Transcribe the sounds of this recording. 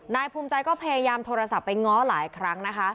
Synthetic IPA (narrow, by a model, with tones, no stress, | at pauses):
naː˧jpʰuː˧mt͡ɕa˧jkɔː˥˩pʰa˧ja˧jaː˧mt̪ʰoː˧ɾa˧sa˨˩pːa˧jŋɔː˦˥laː˩˦jkʰɾa˦˥ŋna˦˥kʰa˦˥ʔ